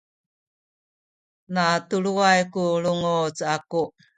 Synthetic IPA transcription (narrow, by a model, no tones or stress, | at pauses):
natuɭuajkuɭuŋot͡saku